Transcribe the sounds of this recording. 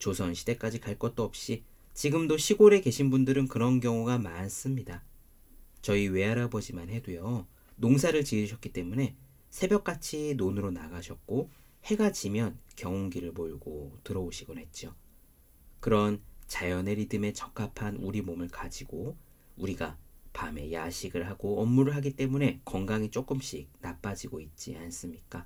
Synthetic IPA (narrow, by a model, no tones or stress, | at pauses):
t͡ɕosʰʌnɕʰi̥de̞k͈ad͡ʑikaɭk͈ʌt̚t͈oʌp̚ɕ͈i | t͡ɕiɡɯmdoɕʰiɡoɾe̞ke̞ɕʰinbundɯɾɯnkɯɾʌnkjʌŋuɡamans͈ɯmɲida | t͡ɕʌiwe̞aɾabʌd͡ʑimanɦe̞dwejʌ | noŋsʰaɾɯɭt͡ɕiɯɕʰʌk͈̚it͈e̞mune̞ | sʰe̞bjʌk͈at͡ɕʰinonɯɾonaɡaɕʰʌk̚k͈o | he̞ɡat͡ɕʰimjʌnkjʌŋoŋɡiɾɯɭmoɭɡotɯɾʌoɕʰiɡɯne̞t̚t͡ɕ͈jo | kɯɾʌnt͡ɕajʌne̞ɾidɯme̞t͡ɕʌkʰapʰanuɾimomɯɭkad͡ʑiɡ̥o | uɾiɡapame̞jaɕʰiɡɯɭɦaɡ̥oʌmːuɾɯɭɦaɡit͈e̞mune̞kʌŋɡaŋit͡ɕ͈ok͈ɯmɕ͈ik̚nap͈ad͡ʑiɡoit̚t͡ɕ͈ians͈ɯmɲik͈a